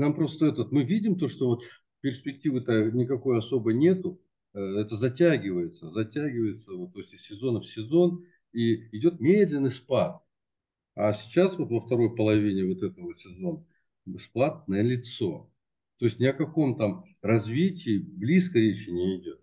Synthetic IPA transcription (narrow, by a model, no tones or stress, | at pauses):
nampɾo̞st̪əɛt̪ət̪mɨvʲidʲɪmt̪o̞ʂt̪o̞vo̞t̪ | pʲɪrspʲɪk̚tʲivɨt̪anʲɪkɐko̞jɐso̞bəjnʲe̞t̪ʊ | ɛt̪əzɐtʲæɡʲɪvəjɪt̪səzɐtʲæɡʲɪvəjɪt̪səvot̪ːoɪsʲtʲɪsʲsʲɪzo̞nəfsʲɪzo̞n | iɪdʲo̞t̪̚mʲed̪lʲɪnːɨjspat̪̚ | ɐsʲɪ̥t͡ɕasvo̞t̪vəft̪ɐɾo̞jpəlˠɐvʲinʲɪvo̞t̪ɛt̪ət̪vo̞t̪sʲɪzo̞nʲ | ɪsplˠat̪̚nəjəlʲɪt̪so̞ | t̪o̞jɪsʲnʲɪɐkɐko̞mt̪am | rɐzvʲitʲɪːblʲiskəɾʲet͡ɕɪnʲɪɪdʲo̞t̪̚